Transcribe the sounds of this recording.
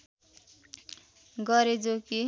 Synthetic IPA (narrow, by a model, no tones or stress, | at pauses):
ɡʌɾed͡zoki